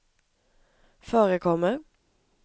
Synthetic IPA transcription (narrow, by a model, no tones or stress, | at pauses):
føːɾəkʰɔmə